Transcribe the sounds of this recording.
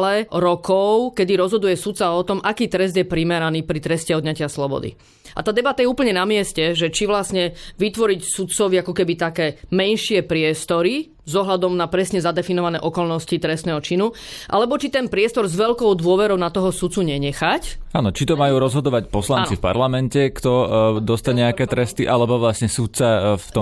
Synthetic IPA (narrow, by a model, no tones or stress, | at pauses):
lɛɾɔkɔʊkɛd̪iɾɔzɦɔd̪ujɛsut̪saɔt̪ɔmʔakiːt̪ɾɛzd̪jɛpɾimɛɾaniːpɾit̪ɾɛscɛɔd̪ɲacɪaslɔbɔ̰d̪ḭ | ʔa̰t̪aːd̪ɛbat̪ajɛuːpəɲɛnamɪɛscɛʒɛt͡ʃiʋlasɲɛʋit̪ʋɔɾicsut̪t͡sɔʋiakɔkɛbit̪akɛːmɛnʃɪɛpɾɪɛst̪ɔɾi | zɔɦʎad̪ɔmnapɾɛsɲɛzad̪ɛfinɔʋanɛːʔɔkɔlnɔscit̪ɾɛst̪nɛːɦɔt͡ʃinu | ʔa̰lɛbɔt͡ʃit̪ɛnpɾɪɛst̪ɔɾzʋɛʎkɔʊd̪ʊɔʋɛɾɔʊnat̪ɔɦɔsut̪t͡suɲɛɲɛxacaːnɔt͡ʃit̪ɔmajuːɾɔzɦɔd̪ɔʋacpɔslannnt͡sifpa̰ɾlamɛncɛkt̪ɔd̪ɔst̪aɲɛakɛːt̪ɾɛst̪iʔalɛbɔʋlasɲɛsut̪̚t͡saft̪ɔ